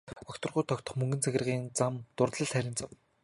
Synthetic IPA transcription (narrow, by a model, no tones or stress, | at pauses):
ɔkt̪ɞ̆rʁʊjt̪ʰɔkt̪ɞ̆χmɵŋɡɘ̆nt͡sʰæxʲɪ̆rʁiːnt͡samt̪ʊrt̪ɮə̆ɮχæɾʲɪ̆nt͡saw